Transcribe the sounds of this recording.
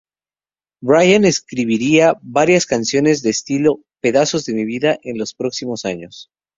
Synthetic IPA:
bɾajane̞skɾiβiɾiaβaɾjaskansjo̞ne̞zðe̞ːst̪ilo̞ | pe̞ðaso̞zðe̞miβ̞iðaʔe̞nlo̞spɾo̞ksimo̞saɲo̞s

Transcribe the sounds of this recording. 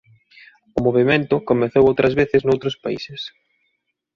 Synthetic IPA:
ʊmoβement̪ʊkomeθowowt̪ɾɐzβeθɪznowt̪ɾʊspaḭsɪs

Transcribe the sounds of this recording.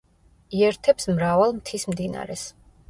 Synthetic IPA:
iɛɾt̪ʰɛpsmɾavalˠmt̪ʰismd̪ina̰ɾɛs

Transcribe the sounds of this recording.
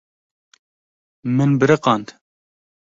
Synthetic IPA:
mɨnbɨɾɨqɑnd̪

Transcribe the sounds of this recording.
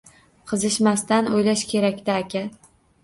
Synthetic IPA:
qʰɨzɪʃmast̪anojlaʃkʲʰe̞ɾakʲt̪aːkʲa

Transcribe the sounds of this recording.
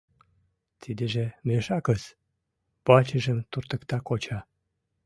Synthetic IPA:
t̪ʰid̪eʒemeʃɑkəs | pɑt͡ɕəʒəmt̪urt̪əkt̪ɑkot͡ɕɑ

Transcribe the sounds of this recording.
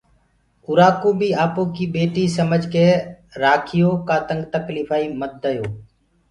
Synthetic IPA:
ʊɾaːkoːbʱiːaːpõːkiːbeːʈiːsəməd͡ʒkeː | ɾaːkʰɪjoːkaːt̪əŋɡt̪əkliːfʰaːiːmət̪̚d̪əjoː

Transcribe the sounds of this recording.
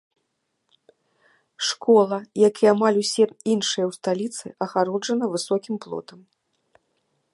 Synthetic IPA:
ʂkɔlˠɐjakijamalʲusʲɛinʂɨjɐwst̪alʲit̪sɨʔɐɣaɾɔd͡ʐɐnɐvɨsɔkʲimplˠɔ̰t̪ɐm

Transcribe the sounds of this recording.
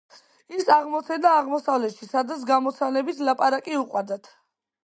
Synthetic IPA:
isaʁmɔt̪sʰɛnaːʁmɔsavlɛt̪ʃisad̪at̪s̬ʰɡamɔt̪sʰanɛbit̪ʰlapʼaɾakʼiuqʼwad̪at̪ʰ

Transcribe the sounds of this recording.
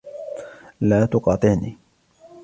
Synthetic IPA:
laːt̪ʊqɑːt̪ˤɨʔniː

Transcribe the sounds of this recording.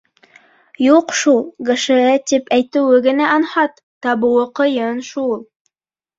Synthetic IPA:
juqʃulˠɡɤ̆ʃɘ̆æt̪ipæjt̪ɘ̆wɘɡɘ̆næʔɑnhɑt̪ːɑbɤ̆wɤqɤ̆jɤnʃulˠ

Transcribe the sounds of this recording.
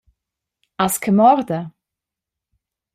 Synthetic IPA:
askʰəmɔɾd̪ə

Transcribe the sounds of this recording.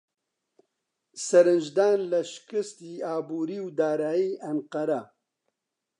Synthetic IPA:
sɐɾɨnd͡ʒd̪aːnlɐʃkɨst̪iːaːbuːɾiːwd̪aːɾaːjiːɐnqɐɾa

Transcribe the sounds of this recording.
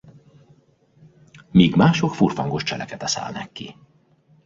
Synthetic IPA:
miːɡmaːʃokfurfɒŋɡo̞ʃt͡ʃɛlɛkɛt̪ɛsa̰ːlnɛkːi

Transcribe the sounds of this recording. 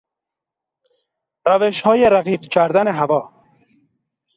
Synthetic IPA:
ɾaveʃhɔːjeɾaqiːqt͡ʃʰaɾd̪aneɦavɒː

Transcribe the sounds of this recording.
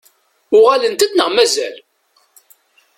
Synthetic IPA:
ʊʁælənt̪æd̪nəʁmæzæl

